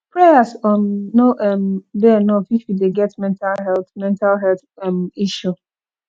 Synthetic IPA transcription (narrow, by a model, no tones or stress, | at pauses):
pɹɛasɔnːoʔɛmdɛnɔfifjudeɡɛtmɛ̃ntalɦɛlθmɛ̃ntalɦɛlθɛmiʃu